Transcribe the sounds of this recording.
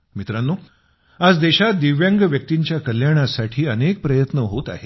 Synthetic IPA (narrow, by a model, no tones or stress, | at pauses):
mit̪ɾanːoː | ad͡zd̪eɕat̪̚d̪iʋjaŋɡəʋjək̚t̪iɲt͡ɕjakəljaɽ̃asaʈʰiːənek̚pɾəjət̪nəɦot̪a̰ɦe